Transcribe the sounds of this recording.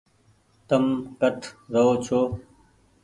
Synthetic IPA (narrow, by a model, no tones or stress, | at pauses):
t̪əmkəʈʰɾəɦoːt͡ɕʰoː